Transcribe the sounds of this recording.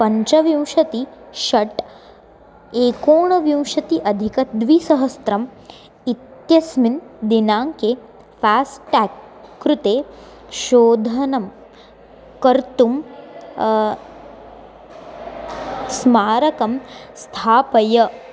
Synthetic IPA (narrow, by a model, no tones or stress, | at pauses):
pɐɲt͡ʃɐʋjɐ̃w̃ʃɐt̪iʃɐʈ | eːkoːɳɐʋjɐ̃w̃ʃɐt̪iʔɐd̪ʱikɐd̪ʋisɐɦɐst̪ɾɐm | it̪jɐsmind̪inaːŋke | faːsʈakː | ɾut̪eː | ʃoːd̪ʱɐnɐm | kɐɾt̪um | smaːɾɐkɐmst̪ʰaːpɐjɐ